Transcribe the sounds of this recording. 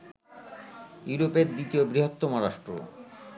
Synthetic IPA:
juɾopeɾd̪it̪iobɾiɦot̪ːomoɾaʃʈɾo

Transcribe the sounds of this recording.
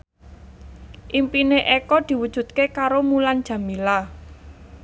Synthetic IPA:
ʔimpineʔekɔd̪̥i̤wud̥ʒ̥ṳt̪̚kekaɾomuland̥ʒ̥a̤mila

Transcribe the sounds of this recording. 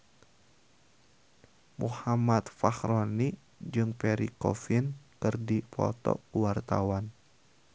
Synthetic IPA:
muhamat̪faxɾɔni | d͡ʒɨŋpɛɾikɔ̰finkɨrdipʰɔ̰t̪ɔ̰uwart̪a̰wan

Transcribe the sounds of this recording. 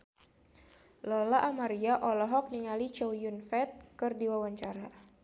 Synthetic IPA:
lɔlaʔːmaɾiaʔɔlɔɦɔk̚niŋalit͡ʃɔwjunfɛt̪̚kɨrdiwawaɲt͡ʃaɾa

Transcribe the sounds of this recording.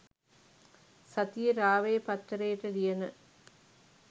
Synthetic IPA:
sɐt̪ijɐɾaːʋeːpɐt̪ːɐɾeːʈːɐɾɪjɐnɐ

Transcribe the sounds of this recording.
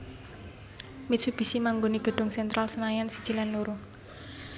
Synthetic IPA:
misʰub̥i̤simaŋɡoniɡ̥ə̤ɖ̥ʊ̤ŋsɛnt̪ɾʔalsənajansid̥ʒ̥i̤lanːuɾuŋ

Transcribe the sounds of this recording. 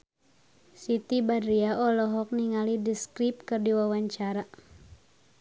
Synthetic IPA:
sit̪ibadɾiaɔlɔɦɔk̚niŋalidiskɾip̚kɨrdiwawaɲt͡ʃaɾa

